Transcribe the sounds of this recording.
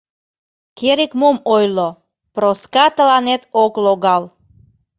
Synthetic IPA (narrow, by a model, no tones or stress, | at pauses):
keɾikmomojlo | pɾoskɑt̪əlɑnet̪okloɣɑl